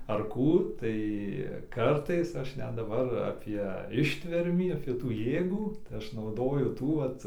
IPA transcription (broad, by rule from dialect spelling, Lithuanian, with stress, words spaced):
ɐr ˈkuː ˈtɐɪ ˈkɐrtɐɪs ˈɐʃ ˈnʲɛt dɐˈbɐr ˈɑːpʲiɛ ˈɪʃʲtʲʋʲɛrʲmʲiː ˈfʲɪtuː ˈjeːɡuː tɐɪ ˈɐʃ nɐʊˈdoːjʊ ˈtuː ˈʋɐt